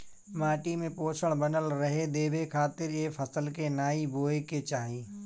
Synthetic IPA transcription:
maːʈimẽpoːsʰəɽ̃bɐnəlɾɐɦed̪eːbekʰaːt̪ɪɾeːfʰɐsəlkenaːibʱoːeket͡ʃaːɦiː

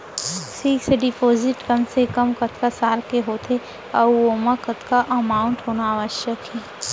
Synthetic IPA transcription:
siːksɖɪpoːzɪʈkɐmsekɐmkɐt̪ʰkasaːlkeɦoːt̪e | ɐomãkɐt̪kaʔɐmaːʊ̃ɳʈɦoːnaaːʋəʃjəkɦɛː

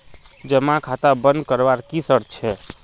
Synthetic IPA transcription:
d͡ʒəmakʰat̪abənd̪kəɾbaɾkisəɾt͡ʃʰɛ

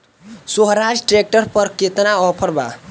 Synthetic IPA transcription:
soɦɾad͡ʒʈɾek̚ʈəɾpʌɾket̪naɔpʰʌɾba̰

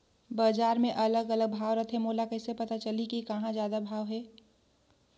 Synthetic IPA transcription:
baːd͡ʒaːɾmẽʔɐləɡɐləɡ̚bʱaːʋɾət̪ʰemoːlakɛːsepɐt̪at͡ʃɐlikikɐɦãzjaːd̪abʱaːʋɦɛː

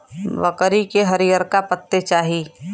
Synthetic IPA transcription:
ʋəkəɾikeɦəɾijəɾkapət̪ːet͡ʃaːɦiː

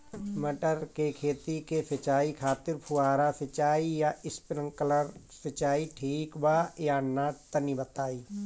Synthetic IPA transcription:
məʈəɾkekʰeːt̪ikesɪt͡ʃaːikʰaːt̪ɪɾpʰuaːɾasɪt͡ʃaːijaɪspɪɾə̃ŋkələɾsɪt͡ʃaːiʈʰiːkbaːjaːnat̪ənibət̪aːiː

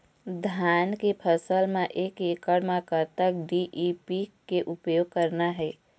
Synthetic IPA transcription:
d̪ʱankepʰəsəlmeʔekekəɽmẽkəɾt̪ək̚ɖiʔipikeʔupjoɡ̚kəɾnaɦɛɪ

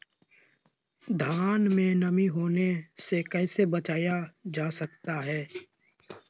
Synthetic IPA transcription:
d̪ʱaːnmẽnəmiɦoːnesekɛːsebət͡ʃaːjad͡ʒaːsɐk̚t̪aɦɛː

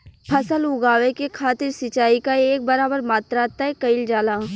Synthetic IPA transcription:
pʰɐsəlʊɡaːʋekekʰaːt̪ɪɾsɪt͡ʃaːikaeːk̚bɐɾaːbəɾmaːt̪ɾat̪aɦɛkɐɪld͡ʒaːlaː

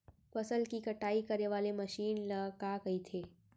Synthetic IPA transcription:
fɐsəlkikɐʈaːikɐɾeʋaːlemɐʃiːnlɐɡakɐit̪ʰeː

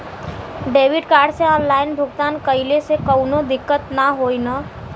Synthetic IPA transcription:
ɖeːʋɪɖkaːɾɖseɔ̃ːnlaːɪnbʱʊɡt̪aːnkəɪlesekəʊnod̪ɪkːət̪naɦoːina

